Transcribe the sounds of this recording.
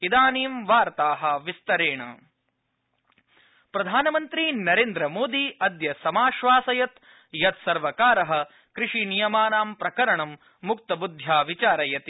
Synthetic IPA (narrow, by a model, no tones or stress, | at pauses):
id̪aːniːmʋaːɾt̪aːɦɐ̆ʋist̪ɐɾeːɳɐ̰ | pɾɐd̪ʱaːnɐmɐnt̪ɾinɐɾeːnd̪ɾɐmoːd̪iɐd̪jɐsɐmaːʃʋaːsɐjɐt̪ | jɐt̪sɐɾʋɐkaːɾɐɦɐ̆ | kɾiʂinijɐmaːnaːmpɾɐkɐɾɐɳɐmː | uk̚t̪ɐbud̪ʱjaːʋit͡ʃaːɾɐjɐt̪i